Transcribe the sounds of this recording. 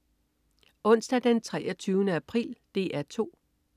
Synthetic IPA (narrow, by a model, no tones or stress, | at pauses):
ɔ̽n̰sd̥æd̥ent͡sʰʁɛːɐt͡sʰyːʊnəæpʰʁḭːld̥e̝̰ːæɐt͡sʰo̝̰ː